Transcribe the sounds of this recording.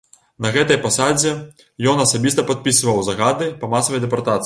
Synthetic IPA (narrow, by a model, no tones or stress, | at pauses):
nɐɣɛt̪ɐjpasad͡zʲɛ | jɔnɐsabʲist̪ɐpat̪̚pʲisɨvɐwzɐɣad̪ɨpɐmasɐvɐjd̪ɛpart̪at̪sɨ